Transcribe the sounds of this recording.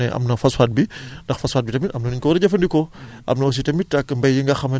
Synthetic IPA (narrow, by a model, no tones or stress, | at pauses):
ɛʔɐ̰mnɐfɐsfat̚bindɐxfɐsfat̚bitɐmitɐmnɐnuɲkɔwɐɾɐɟɐfɐndikɔ | ʔɐ̰mnɐwɐs̬itɐmit̚ːɐkːmbɐjjiŋɡɐxɐmɐ